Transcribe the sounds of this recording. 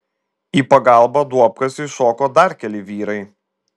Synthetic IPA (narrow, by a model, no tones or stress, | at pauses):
iːpɐɡɐˑlˠbɐd̪uɔp̚kɐsɪʃoːkoːd̪ɐɾkʲɛlʲɪʋʲiːɾɐɪ